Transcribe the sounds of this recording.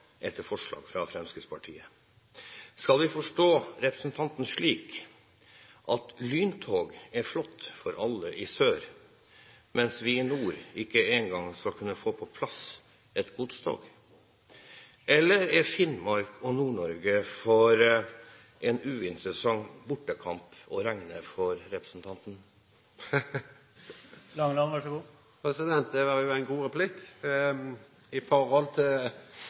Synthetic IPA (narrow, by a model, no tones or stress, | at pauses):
ʔɛt̪ːəfɔʂɭɑ̰ːɡfɾɑfɾɛmskəspʰɑʈʰḭːə | skɑlʋɪfɔʂʈoːɾɛpɾəsnt̪ʰɑnt̪n̩ʂɭiːk | ʔɑt̪lyːnt̪ʰoːɡæɾflɔt̪ːfɔɾʔɑlːəʔɪsøːɾ | mɛnsʋɪɪnuːɾɪkːəeːŋɡɑŋskɑlkʰʉnːəfoːpʰɔpʰlɑs | ʔɛt̪ɡʊt̪st̪ʰo̰ːɡ | ʔɛlːəɾɛɾfɪnmɑɾkʰɔnuːɳɔɾɡəfɔɾ | ʔɛnʉːɪnt̪ɾəsɑŋbʊʈːəkʰɑmpɔɾæŋnəfɔɾɾɛpɾəsn̩t̪ʰɑnt̪n̩ | lɑŋlɑʋɑʂɡuː | pʰɾɛsɪd̪ɛnt̪̚d̪ɛʋɑɾjʊæɪnɡuːɾɛpʰlɪk | ɪfɔɾɑlt̪ʰɪl